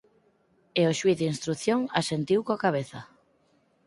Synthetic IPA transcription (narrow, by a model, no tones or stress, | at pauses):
eoʃwiθinst̪ɾuθjoŋasent̪iwkoakaβ̞eθɐ